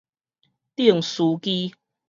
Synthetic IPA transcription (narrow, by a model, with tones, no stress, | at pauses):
t̪i˥˩əŋsu˨˦ki˦